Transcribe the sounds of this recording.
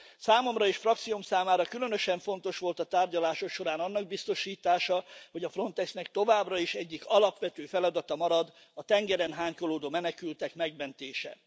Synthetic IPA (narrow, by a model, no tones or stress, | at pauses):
saːmo̞mrɒeːʃfrɒk̚t̪sijomsaːmaːɾɒkylø̞nø̞ʃɛɱfo̞nt̪o̞ʃʋo̞lt̪ɒt̪aːrɟɒlaːʃo̞kʃo̞ɾaːnɒnːɒɡ̚bist̪o̞ʃiːt̪aːʃɒho̞ɟɒfro̞nt̪ɛksnɛk̚t̪o̞vaːbrɒiʃɛɟːikɒlɒpʋɛt̪øːfɛlɒd̪ɒt̪ɒmɒɾɒd̪ | ɒt̪ɛŋɡɛɾɛnɦaːɲko̞loːd̪oːmɛnɛkylt̪ɛkmɛɡmɛnt̪eːʃɛ̰